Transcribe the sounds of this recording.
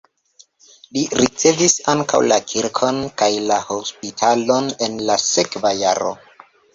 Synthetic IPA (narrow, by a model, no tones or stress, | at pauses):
liɾit͡se̞visaŋka̰wlakʰiɾkʰo̞nkajlahospitʰalo̞nenlase̞kvajaɾo̰